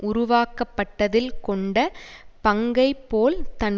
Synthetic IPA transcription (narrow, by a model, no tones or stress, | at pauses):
ʔʊɾʊʋaːkɐpːɐʈːɐðɪlkɔɳɖɐpɐŋɡɐɪpːoːlt̪ɐn